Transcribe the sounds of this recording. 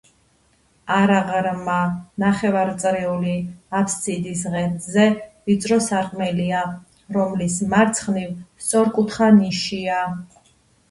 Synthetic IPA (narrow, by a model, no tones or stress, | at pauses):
aɾaʁɾmanaχɛvaɾt̪sʼɾiuliapʰssid̪is̬ʁɛnzɛvit̪sʼɾɔsaɾqʼmɛlia | ɾɔmlismaɾt̪sʰχnivst̪sʼɔɾkʼut̪ʰχaniʃia